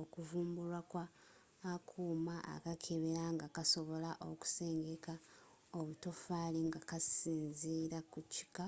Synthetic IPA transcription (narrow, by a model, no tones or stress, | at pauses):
okuvuːmbulwakwaː | kʰuːmaʔa̰kakʰeβeɾaŋɡakaso̞βo̞laʔo̞ku̥se̞ːŋɡe̞ka | oβuto̞faliŋɡakasiːnziɾakuci̥ka